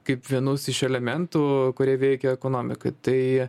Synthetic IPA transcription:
kɐɪpʋʲiɛnʊsɪʃɛlʲɛmʲɛnt̪uːkʊɾʲiɛʋʲɛɪkʲɛɛkoːnoːmʲɪkɐɪt̪ɐɪ

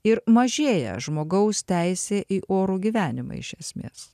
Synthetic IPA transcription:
ɪɾmɐʒʲeːjɛ̰ʒmoːɡɐʊst̪ʲæɪsʲeːʔiːʔoːɾuːɡʲiːʋʲæːnʲɪmɐ̰ɪ̰ʃʲɛsʲmʲḛːs

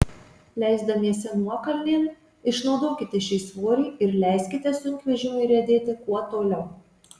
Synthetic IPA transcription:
lʲɛˑɪzd̪ɐmʲiɛsʲɛnuɔkɐlʲnʲeːnʲ | ɪʃnɒʊd̪oːkʲɪt̪ʲɪʃʲɛɪsʋoːɾʲiːɪɾlʲɛɪsʲkʲɪt̪ʲɛsʊŋʲkʲʋʲɛʒʲɪmʊɪɾʲɛd̪ʲeːt̪ʲɪkuɔt̪oːlʲɛʊ

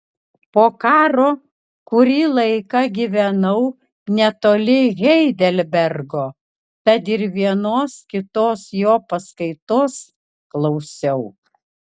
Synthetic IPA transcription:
poːkɑːɾoː | kʊɾʲiːlˠɐɪkɐɡʲiʋʲɛnɐʊ | nʲɛt̪oːlʲɪɣʲɛɪd̪ʲɛlʲbʲɛɾɡoː | t̪ɐt̪ɪɾʋʲiɛnoːskʲɪt̪oːsjoːpɐskɐɪt̪oːs | klˠɒʊsʲɛʊ

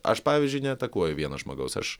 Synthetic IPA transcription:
ʔɐ̰ʃpɑːʋʲiːzʲd͡ʒʲʊɪnʲɛɐt̪ɐkuɔjʊʋʲiɛnɐʒmɐ̰ɡɐʊsɐ̰ʃ

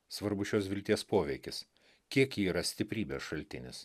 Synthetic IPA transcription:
sʋɐɾbʊʃʲoːsʋʲɪlʲt̪ʲiɛspoːʋʲɛɪkʲɪs | kʲiɛkiːɾɐsʲt̪ʲɪpʲɾʲiːbʲeːsʃɐlʲt̪ʲɪnʲɪs

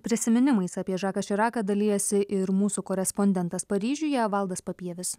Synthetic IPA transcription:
pʲɾʲɪsʲɪmʲɪnʲɪmɐɪsɐːpʲiɛʒɑːkɐʃʲɪɾɑːkɐd̪ɐlʲijɛsʲɪʔɪɾmuːsuːkɔːɾʲɛspɔnʲd̪ʲɛnt̪ɐspɐɾʲiːʒʲʊjɛʋɐlˠd̪ɐspɐpʲiɛʋʲɪs

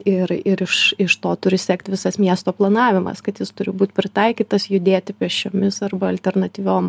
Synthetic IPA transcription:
ɪɾɪɾɪʃɪʃt̪oːt̪ʊɾʲɪsʲɛkt̪ʲʋʲɪsɐsmʲiɛst̪oːplˠɐnɑːʋʲɪmɐ̰skɐt̪jɪst̪ʊɾʲɪbuːt̪ʲpʲɾʲɪt̪ɐɪkʲiːt̪ɐsjʊd̪ʲeːt̪ʲɪpʲiɛʃʲt͡ʃʲoːmʲɪsɐrbɐɐlʲt̪ʲɛrnɐt̪ʲiːʋʲoːm

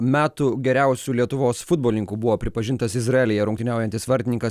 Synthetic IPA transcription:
mʲæːt̪uːɡʲɛɾʲæˑʊsʲuːlʲiɛt̪ʊʋoːsfʊd̪boːlʲnʲɪŋkuːbʊʋoːpʲɾʲɪpɐʒʲɪnt̪ɐsɪzɾɐɛlʲɪjɛɾʊŋkt̪ʲɪnʲæˑʊjɛnʲt̪ʲɪsʋɐɾʲt̪ʲɪnʲɪŋkɐs

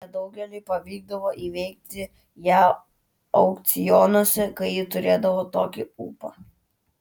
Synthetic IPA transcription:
ɛd̪ɐʊɡʲɛlʲʊɪpɐʋʲiːɡ̚d̪ɐʋoːʔiːʋʲɛɪk̚t̪ʲɪ | jæː | ɐʊkt̪sʲɪjɔːnoɔsʲɛkɐɪjɪt̪ʊɾʲeːd̪ɐʋoːt̪oːkʲɪṵːpɐ̰

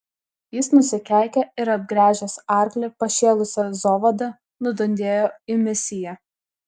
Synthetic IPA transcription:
jɪsnʊsʲɪkʲæˑɪkʲɛɪɾɐb̚ɡɾʲæːʒʲɛsɑˑɾklʲɛpɐʃʲeːlˠʊsʲɛzɔːʋɐd̪ɐ | nʊd̪ɔnʲd̪ʲeːjoːɪmʲɛsʲɪjɛ

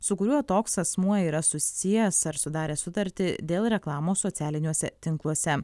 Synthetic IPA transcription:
sʊkʊɾʲuːɔt̪oːksɐsmuɔiːɾɐsʊsʲsʲijɛsɐɾsʊd̪ɑːɾʲeːsʊt̪ɐɾʲt̪ʲɪd̪ʲeːlˠɾʲɛklˠɑːmoːsoːt̪sʲæːlʲɪnʲuɔsʲɛt̪ʲɪŋklˠuɔsʲɛ

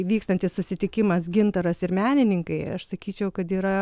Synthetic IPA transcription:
ʋʲiːkst̪ɐnʲt̪ʲɪssʊsʲɪt̪ʲɪkʲɪmɐsɡʲɪnt̪ɐɾɐsɪɾmʲæːnʲɪnʲɪŋkɐɪɐ̰ʃsɐkʲiːt͡ʃʲɛʊkɐt̪iːɾɐ

